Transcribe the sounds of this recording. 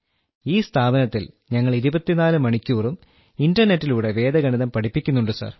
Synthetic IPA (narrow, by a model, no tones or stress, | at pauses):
iːst̪ʰaːbɐnɐt̪ːil | ɲɐŋːɐɭiɾubɐt̪ːinaːlɨmɐɳikʲːuːrum | indɐrne̞tːiluːɽe̞ʋe̞ːd̪ɐɡɐɳiðɐmpɐʈʰipːikʲːun̪ːuɳɖɨsɐ̰ːr